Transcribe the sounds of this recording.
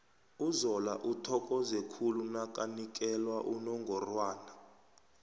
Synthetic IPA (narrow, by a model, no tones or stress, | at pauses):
uzɔla̰ʔutʰɔkʼɔzɛkʰulunakʼanik̬ʼɛlwaʔunɔŋɡʱɔrwaːna